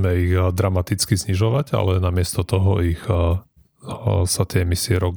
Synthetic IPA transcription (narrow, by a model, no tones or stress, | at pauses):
mɛiɣd̪ɾamat̪it͡skizɲiʒɔʋaɟa̰lɛnamɪɛst̪ɔt̪ɔɦɔix | sat̪ɪɛɛmisiɛɾɔɡ